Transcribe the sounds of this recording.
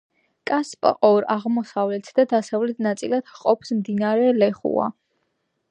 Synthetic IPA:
kʼaspʼqʼɔɾaʁmɔsavlɛt̪ʰd̪ad̪asavlɛt̪ʰnat̪sʼilad̪̥qʼɔpʰsmd̪inaɾɛlɛχṵa̰

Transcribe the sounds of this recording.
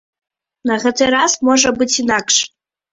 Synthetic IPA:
nɐɣɛt̪ɨɾazmoʐɐbɨt͡sʲinakʂ

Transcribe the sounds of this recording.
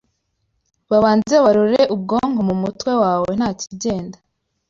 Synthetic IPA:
βaβaːneβaɾoɾeʔub̚ɡo̞ŋɡomumutwe̞waːwen̥haːciɟe̞ːnda

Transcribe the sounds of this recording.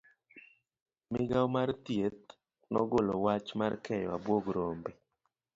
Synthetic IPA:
mɪɡawmart̪jet̪̚ | nɔɡolowat͡ʃmarkʰɛjɔabwoɡɾombe

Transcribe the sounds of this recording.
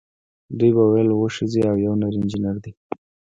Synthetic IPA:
d̪ujbawajlwəʂiziawjawnaɾɪnd͡ʒinaɾd̪i

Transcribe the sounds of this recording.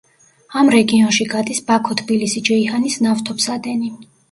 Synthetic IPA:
amɾɛɡiɔnʃiɡad̪isbakʰɔt̪ʰbilisid͡ʒɛihanisnaft̪ʰɔpsad̪ɛni

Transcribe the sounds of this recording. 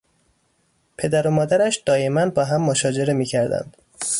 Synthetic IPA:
pʰe̞d̪æɾomɒːd̪æɾæʃd̪̥ɒːje̞mæn̚bɒːɦæmːoʃɒːd͡ʒe̞ɾe̞miːcʰæɾd̪æ̰nd̪̥

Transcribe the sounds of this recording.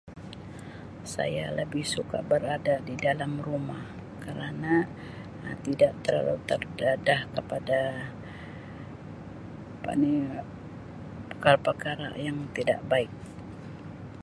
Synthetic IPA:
sa̰jaləbɪhsuka̰ʔbəɾadadidalamrumah | kəɾana | t̪idaʔt̪əla̰lut̪ərdadahkəpada | pa̰ni | pəkaɾapəkaɾa̰jaŋt̪ida̰ʔbaɪk̚

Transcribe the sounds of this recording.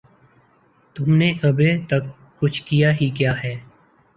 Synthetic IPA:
t̪ʊmneʔɐbet̪ɐkː | ʊt͡ʃʰkijaːɦikjaːɦɛː

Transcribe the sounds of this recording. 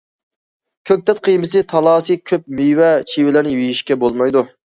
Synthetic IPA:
kʲʰøk̚ʲt̪ʰɛt̪̚qʰijmɨsɨt̪ʰɑlˠɑːsikʲʰøp̚myjwɛt͡ʃʰiwɪlɪɾnɪjejiʃkʲɛbolˠmɑjd̪u

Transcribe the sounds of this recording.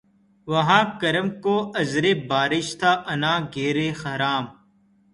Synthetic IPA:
ʋɐɦãːkɐɾəmkoːɐzɾeːbaːɾɪʃt̪ʰaːʔɐnãːɡʱeːɾeːxɐɾaːm

